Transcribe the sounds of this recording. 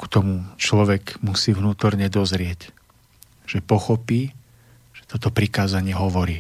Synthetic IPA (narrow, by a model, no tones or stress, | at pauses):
ku̥t̪ɔmut͡ʃlɔʋɛɡmusiːʋnuːt̪ɔɾɲɛd̪ɔzɾɪɛc | ʒ̥ɛpɔxɔpiː | ʒ̥ɛ̥t̪ɔt̪ɔpɾikaːzaɲɪɛɦɔʋɔɾiː